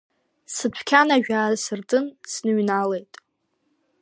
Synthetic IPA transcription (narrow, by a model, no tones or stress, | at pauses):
sɨpʷʰkʲʰanaʒᶣaːsɨrtʰʼɨnsnɨɥnalejtʼ